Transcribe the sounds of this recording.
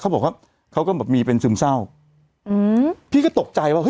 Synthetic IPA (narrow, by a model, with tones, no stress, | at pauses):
kʰa˦˥wbɔː˨˩k̚waː˥˩ | kʰa˦˥wkɔ˥˩bɛː˨˩p̚miː˧pe˧nsɯː˧msa˥˩w | ʔɯː˧pʰiː˥˩kɔː˥˩t̪o˨˩k̚t͡ɕa˧jwaː˥˩hɤ˦˥